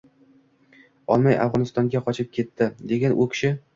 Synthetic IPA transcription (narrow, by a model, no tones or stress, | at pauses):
ɒlˠmaja̰fʁɒnɪst̪ɒŋɡʲaqʰɒt͡ʃʰɪp̚kʲʰe̞t̪ʰːɪd̪e̞ɡʲanʔʊkʲʰɪ̥ʃɪ